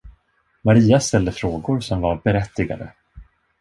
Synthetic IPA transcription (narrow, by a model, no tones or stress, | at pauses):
maɾiːast̪ɛld̪əfɾoːɡʊɾsɔmvaɾbɛɾɛt̪ːɪɡa̰d̪ə̰